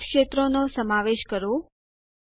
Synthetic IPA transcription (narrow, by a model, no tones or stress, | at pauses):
kʃet̪ɾonosəmaʋeʃkəɾo